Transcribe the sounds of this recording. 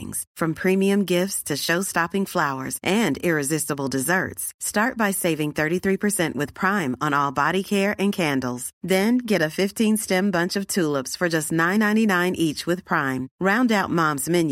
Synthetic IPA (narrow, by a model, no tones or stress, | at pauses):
ɪ̰̃ŋz̥fɹʌ̃mpʰɹ̥ĩmiɨ̃mɡɪftstʰɨʃoʊstɑpɪ̃ŋflaʊə̰˞zʔɨ̃ndɪɹɨzɪstəbl̩ˠdɨzɜ̰˞tstɑɹt̚b̥aɪseɪvɪ̃ŋθɜ˞ɾiθɹipʰə˞sɛ̃nʔwɨð̥pʰɹ̥ãɪ̃mə̃nɔlˠbɑɾikʰɛɹʔɨ̃nkʰæ̃ndˡl̩ˠz̥ðɨ̃nɡɛɾɨfɪftʰĩnstɛ̃mbʌ̃nt͡ʃʌv̥tʰulˠəpsfə˞d͡ʒʌstⁿnãɪ̃nãɪ̃ninãɪ̃nʔit͡ʃwɨð̥pʰɹ̥ãɪ̃mɹãʊ̃ndaʊt̚mɑ̃mzmɪ̃n